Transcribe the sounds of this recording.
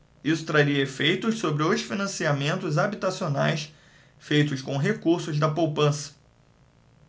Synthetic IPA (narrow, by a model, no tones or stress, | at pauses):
isʊ̥t̪ɾaɾiɐefejt̪ʊssobɾɪoʃfinɐ̃siamẽnt̪ʊzabit̪asionajs | fejt̪ʊʃkõɦekuɾsʊzd̪ɐpowpɐ̃sɐ̥